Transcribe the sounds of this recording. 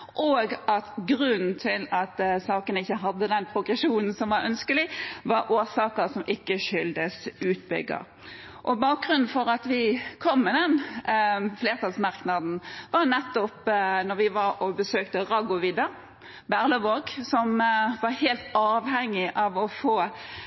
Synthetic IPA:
ʔoːɡɑt̪ɡɾʉnn̩t̪ʰɪlɑt̪sɑːkənɪçːəɦɑd̪ːəd̪ɛnpʰɾʊɡʁɛʃuːnn̩sɔmʋɑɾœ̰nskəlɪʋɑɾʔoːsɑːkəɾsɔmʔɪkːəʃʏld̪əsʉːt̪̚bʏ̰ɡːə̰ɾ | ʔɔbɑːk̚ɡʁʉnn̩fɔɾɑt̪ʋɪkʰɔmːɪd̪ɛn | fleːʁt̪ʰɑlsmɑʁknɑd̪n̩ʋɑɾnɛt̪ːɔpnɔʁʋɪʋɑɾɔbəsøːkt̪əʁɑɡʊʋɪd̪ɑ | bæʁləʋoːɡsɔmʋɑɾheːlt̪ɑːʋhɛŋːɪʔɑʋɔfoː

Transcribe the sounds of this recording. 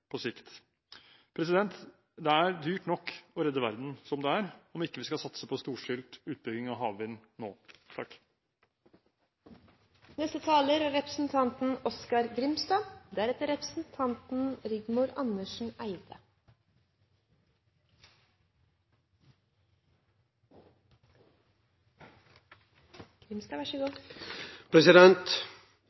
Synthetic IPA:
pʰɔsɪkt̪ | pʰɾɛsɪd̪ɛnt̪ | d̪ɛæɾd̪yːʈnɔkːɔɾɛd̪ːəʋæɾd̪n̩sɔmd̪ɛæɾɔmɪkːəʋiːskɑsɑt̪səpʰoːst̪uːʂɪlt̪ʉːt̪̚bʏɡɪŋɑːɦɑːʋʋɪnːoːt̪ʰɑkː | nɛst̪ət̪ʰɑːləɾæɾɛpɾə̥sn̩t̪ʰɑnt̪n̩ɔskɑɾɡɾɪmst̪ɑːd̪æɾɛt̪əɾɛpɾəsn̩t̪ʰɑnt̪n̩ɾɪɡmʊɾʔɑnəʃɳ̩æɪd̪̥ə | ɡ̥ɾɪmst̪ɑːʋæʃəɡuː | pʰɾɛsɪd̪ɛnt̪

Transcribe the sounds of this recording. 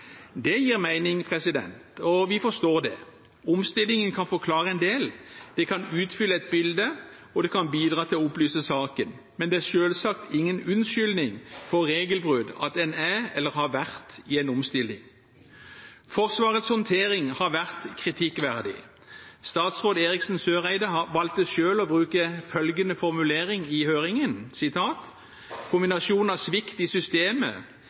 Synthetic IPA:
d̪ɛjiːʁmæɪnɪŋpʰʁɛsɪd̪ɛ̰nt̪ɔʋɪfɔʂt̪oːʁd̪ɛ̰ | ʊmst̪ɪlːɪŋənkʰɑnfɔkʰlɑːɾəɛnd̪eːld̪̥ɛkʰɑnʉːt̪fʏlːəɛt̪̚bɪld̪ə | ɔd̪ɛkʰɑnbiːd̪ʁɑːt̪ʰɪlɔʊplyːsəsɑːkən | mɛnd̪ɛæʁʂøːlsɑkt̪ɪŋːənʉnʃʏlnɪŋfɔːeːɡəlbʁʉd̪ɑ̰t̪ɛnæɛlːəɾhɑːʋæʁt̪ɪɛɪnʊmst̪ɪlːɪ̰ŋ | fɔʁsʋɑːʁət̪shɔnt̪ʰeːɾɪŋhɑʋæʁt̪kʰʁɪt̪ʰɪkːʋæʁd̪ɪ̰ | st̪ɑːt̪sʁoːd̪eːʁɪksn̩søːʁæɪd̪əhɑʋɑlt̪əʃøːlɔbʁʉːkəfœlɡənəfɔʁmʉleːʁɪŋɪhøːʁɪŋənsɪt̪ʰɑːt̪ | kʰʊmbɪnɑsuːnɑsʋɪkt̪ɪsʏst̪eːmə̰

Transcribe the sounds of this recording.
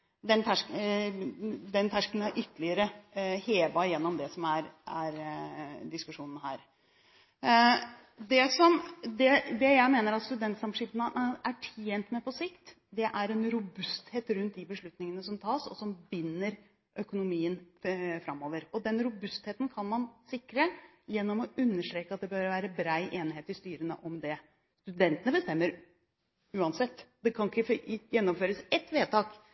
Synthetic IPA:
d̪ɛnt̪ʰæʂ | d̪ɛnt̪ʰæʂkənɑʔʏt̪ːəlɪəɾəheːʋɑjɛnːɔmd̪ɛsɔmæɾæɾd̪ɪskʉʂuːnənɦæːɾ | d̪ɛsɔmd̪ɛd̪ɛjæɪmeːnəɾɑt̪st̪ʉd̪ɛnt̪sɑmʂɪfənəæʈʰeːnt̪mɛpɔsɪkt̪ | d̪ɛʔæɾɛnɾʊbʉst̪heːt̪ɾʉnt̪̚d̪ɪbəʂɭʉt̪nɪŋənəsɔmt̪ʰɑːsɔ̰sɔmbɪnːəɾ | ʔœkʊnʊmiːənfɾɑmːoːʋəɾɔd̪ɛnɾʊbʉst̪heːt̪n̩kʰɑnmɑnsɪkːɾə | jɛnːɔmɔʔʉnːəʂʈ̪ɾeːkəɑt̪̚d̪ɛbœɾʋæːɾəbɾɑɪʔeːnɪheːt̪ɪst̪yːɾənə̰ʔɔmd̪ɛ | st̪ʉd̪ɛnt̪ənəbəst̪ɛmːəɾ | ʉːɑnsɛt̪ːd̪ɛkʰɑnɪkːəjɛnːɔmføːɾəsɛt̪ːʋeːt̪ʰɑːk

